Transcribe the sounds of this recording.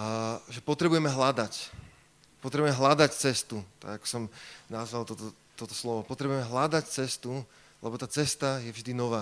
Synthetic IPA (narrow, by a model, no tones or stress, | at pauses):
ʒɛpɔt̪ɾɛbujɛmɛɦlad̪ac | pɔt̪ɾɛbuʊɛmɛɦlad̪act͡sɛst̪ut̪a̰ɡakɔ̥sɔmnazʋalˠt̪ɔt̪ɔ | t̪ɔt̪ɔ̥slɔʋɔpɔt̪ɾɛbujɛmɛɦlad̪act͡sɛst̪u | lɛbɔt̪aːt͡sɛst̪ajɛvʒd̪inɔʋaː